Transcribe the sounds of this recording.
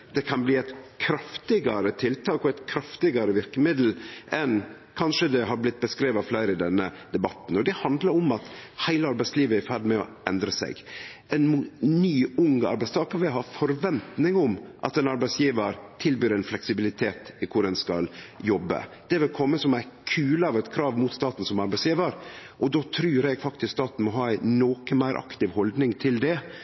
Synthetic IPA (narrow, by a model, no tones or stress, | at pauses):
d̪̥ɛkʰɑnbliːæɪt̪kʰɾɑft̪ɪɡɑɾət̪ʰɪlt̪ʰɑːkɔæɪt̪kʰɾɑft̪ɪɡɑɾəʋɪɾkəmɪd̪l̩ʔɛn | kʰɑnʂəd̪ɛɦɑɾblɪt̪̚ːbəskɾeːʋɑflæɪɾɪd̪ɛnːəd̪ɛbɑt̪n̩ɔd̪ɛhɑnd̪ləɾɔmɑt̪hæɪləɑɾbæɪsliːʋəæɾfæɾɖmɛɔ̰ | ɛnd̪ɾəsæ̰ɪɡɛnnyːʊŋɑ̰ɾbæɪst̪ʰɑːkəɾʋɪɦɑːfɔɾʋɛnt̪nɪŋʊmʔɑ̰t̪ɛnɑɾbæɪsjiːʋəɾt̪ʰɪlbyːɾɛnflɛksɪbɪlɪt̪ʰeːt̪ɪkʰʊɾɛnskɑ̰ljɔbːə̰d̪̥ɛʋɪlkʰɔmːəsɔmæɪkʰʉːləɑʋɛt̪kʰɾɑːʋmuːt̪st̪ɑːt̪n̩sɔmɑɾbæɪsjiːʋəɾʔɔd̪oːt̪ʰɾʉːɾɛɡfɑkt̪ɪskt̪ɑt̪nmɔɦɑːæɪnoːkəmæɪɾʔɑ̰kt̪ɪʋhɔld̪nɪŋt̪ʰɪld̪ɛ